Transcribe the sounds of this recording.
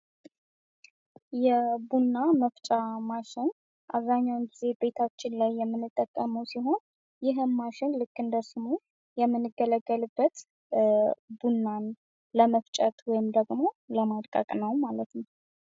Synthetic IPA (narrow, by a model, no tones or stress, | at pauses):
jɛbunːaməft͡ʃʼamaʃɪn | ʔa̰βzaɲːawnɡize̞be̞t̪ʰat͡ʃːɪnlajːɛmːɨnːɨt̪ʼːəkʼːəməwsiɦo̞n | jɪɦɨnmaʃɪnlɨkːɨnd̪əsɨmu | jɛmːɨnːɨɡːələɡːəlɨbːət̪ | bunːan | ləməft͡ʃʼət̪ʼwɔjɪmd̪əɡmo̞ləmad̪kʼə̰kʼnəwmalət̪nəw